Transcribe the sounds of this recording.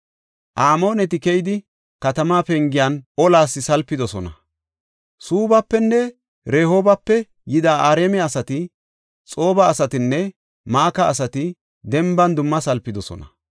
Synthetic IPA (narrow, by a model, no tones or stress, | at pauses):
ʔaːmo̞ːnɛt̪ɪkɛjɪd̪ɪ | kɐt̪ɐmaːpɛŋɡɪjaːnɔlaːsːɪsɐlpːɪd̪ɔsɔnɐ | suːbɐpːɛnːɛ | ɾeːho̞ːbɐpːɛ | jɪd̪aːʔaːɾeːmɛɐsɐt̪ɪ | t͡sʼo̞ːbɐːsɐt̪ɪnːɛ | maːkɐːs̬ɐt̪ɪ | d̪ɛmbɐnd̪ʊmːɐsɐlpːɪd̪ɔsɔ̰nɐ̰